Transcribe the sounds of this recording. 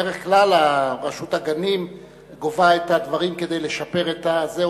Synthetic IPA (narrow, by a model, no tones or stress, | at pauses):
eʁeχklalaʁaʃut̪aɡanim | ɡovaet̪ad̪vaʁimke̞d̪e̞jle̞ʃape̞ʁet̪aze